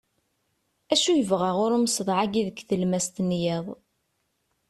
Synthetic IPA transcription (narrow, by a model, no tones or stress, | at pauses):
æʃujəvʁaʁʊɾməsðˤʕaɡiðəkθəlmæst̪njæðˤ